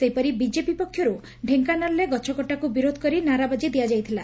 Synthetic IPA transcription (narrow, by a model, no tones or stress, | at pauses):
sejpɔɾibid͡ʒepipɔkʰːjɔɾu | ɖʱeŋkanaɾleɡɔt͡ʃʰɔkɔʈakubiɾod̪ʱɔkɔɾinaɾabad͡ʒid̪ijad͡ʒajt̪ʰila